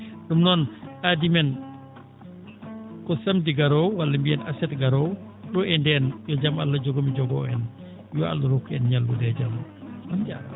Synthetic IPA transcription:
ɗumnɔnʔadimɛn | kɔsɐmdiɡaɾɔwwalːɐmbiɛnasɛtɡaɾɔw | ɗɔɛndɛnjɔd͡ʒamalːɐd͡ʒɔɡomid͡ʒɔɡɔ̰ɛn | jɔa̰lːaɾokːɛnɲalːudɛɟammand͡ʒa̰a

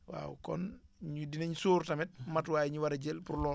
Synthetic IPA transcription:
wa̰ːwkɔ̰nɲudineɲusuːɾtɐmɛt̚matwaːjiɲuwaɾeɟelpuɾlɔ

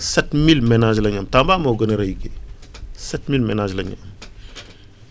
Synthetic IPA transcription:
sɛtmilmɛnaːd͡ʒlɐɲɐmtambaːmɔɡɐnɐɾɐjke | sɛtmilmɛnad͡ʒlɐɲɐ̰m

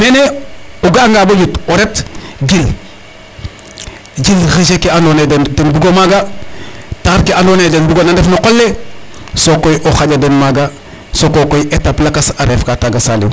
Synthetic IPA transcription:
meːneoɡaŋɡabojutoɾetd͡ʒil | d͡ʒilɣiʃ̬ekeandonedendenbuɡomaɡa | taɾkeandonedenbuɡonandefnokolːe | sokojʔoxaɟadenmaɡa | sokokojʔetaplakasaɾefkataɡasalḭw

